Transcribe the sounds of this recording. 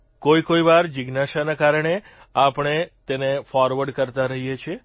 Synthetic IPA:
koikoiʋaɾd͡ʒɪɡnaʃanakaɾəɳe | apəɳ̃et̪enefɔɾʋəɾɖkəɾt̪aɾəɦijet͡ʃʰe

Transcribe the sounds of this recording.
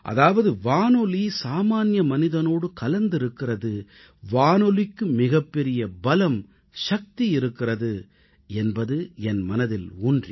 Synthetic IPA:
ʔɐ̰ðaːʋɐðɯʋaːnɔlisaːmaːnjɐmɐnɪðɐnoːɽɯkɐlɐnd̪ɪɾɯkːɪrɐðɯ | ʋaːnɔlɪkːɯmɪɣɐpːɛɾɪjɐbɐlɐm | ʂɐk̚t̪ijɪɾɯkːɪrɐðɯ | ɛnbɐðɯɛnmɐnɐðɪluːndrḭ

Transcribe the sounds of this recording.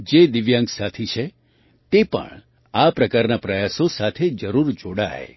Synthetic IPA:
d͡ʒed̪iʋjãŋɡsat̪ʰit͡ʃʰe | t̪epə̰ɳ | apɾəkaɾnapɾəjasosat̪ʰed͡ʒəɾuɾd͡ʒoɽa̰j

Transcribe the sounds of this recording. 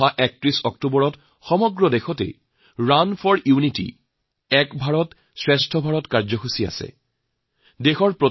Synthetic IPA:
aʔɛk̚tɹisɔktubɔɹɔt | xɔmɔɡɹɔdexɔtḛ | ɹanfʰɔɹjunitḭ | ɛkbʱaɹɔt | sɹestʰɔbʱaɹɔtkaɹzɔxusia̰sɛ̰ | dexɔɹpɹo

